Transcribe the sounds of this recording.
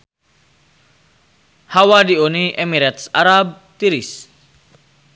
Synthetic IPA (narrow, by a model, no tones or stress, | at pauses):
hawadioniʔemiɾɛt̪saɾab̚ | t̪iɾis